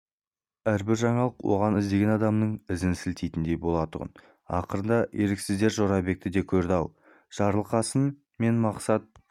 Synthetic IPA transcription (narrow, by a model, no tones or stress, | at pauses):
æɾbɪɾʒɑɴɑlˠəqwo̞̰ʁɑnɪzd̪e̞ɡʲenɑd̪ɑmnəɴɪzɪnsɪlt̪ejt̪ɪnd̪e̞bo̞lˠɑt̪ʊʁə̰n | ɑ̰qəɾənd̪ɑje̞ɾɪksɪzd̪e̞ɾʒo̞ɾɑbe̞k̚t̪ɪd̪e̞kʲʰɵɾd̪ɑw | ʒ̥ɑɾəlˠqɑsən | me̞nmɑqsɑt̪̚